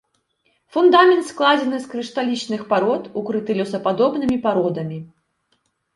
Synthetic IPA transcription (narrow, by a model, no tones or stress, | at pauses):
fund̪amʲɛnt̪sklˠad͡zʲɛnɨskɾɨʂt̪alʲit͡ʂnɨxpaɾɔt̪ukɾɨt̪ɨlʲɔwsɐpad̪ɔbnɨmʲipaɾɔd̪ɐmʲi